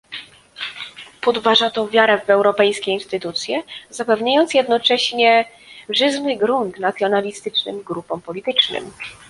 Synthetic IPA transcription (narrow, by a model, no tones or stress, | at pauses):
pɔd̪vaʐat̪ɔvʲjaɾɛvɛwɾɔpɛjskʲɛinst̪ɘt̪ut̪sʲjɛzapɛvɲajɔnt̪sjɛd̪nɔt͡ʂɛɕɲɛ | ʐɘzmɘɡɾunt̪nat̪sʲjɔnalʲist̪ɘt͡ʂnɘ̰mɡɾupɔ̃mpɔlʲit̪ɘt͡ʂnɘ̰m